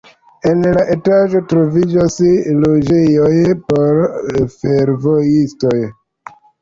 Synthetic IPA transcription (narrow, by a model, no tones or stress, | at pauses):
e̞nlaʔe̞taʒo̞tɾo̞vid͡ʒaslo̞d͡ʒejojpo̞ɾfe̞ɾvo̞jisto̞j